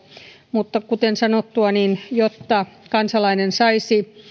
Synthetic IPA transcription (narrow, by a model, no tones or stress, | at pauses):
mut̪ːɑkut̪ensɑnot̪ːuɑninjot̪ːɑkɑnsɑlɑinensɑisi